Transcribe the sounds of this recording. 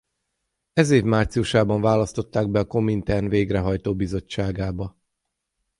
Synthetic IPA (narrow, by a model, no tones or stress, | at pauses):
ɛzeːvmaːrt̪siuʃaːbɒɱvaːlɒst̪o̞t̪ːaːɡ̚bɛɒko̞mint̪ɛrnveːɡrɛɦɒjt̪oːbizo̞t͡ʃːaːɡaːbɒ